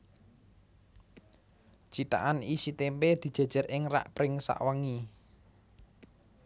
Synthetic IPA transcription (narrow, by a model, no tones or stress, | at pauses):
t͡ʃit̪a̰ʔanisit̪emped̪̥i̤̥ʒ̥ä̤d̥ʒ̥a̤rɪŋra̰ʔpɾɪŋsa̰ʔwaŋi